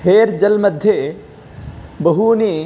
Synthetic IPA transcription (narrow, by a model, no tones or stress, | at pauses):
heːɾd͡ʒɐlmɐd̪ʱje | bɐɦuniː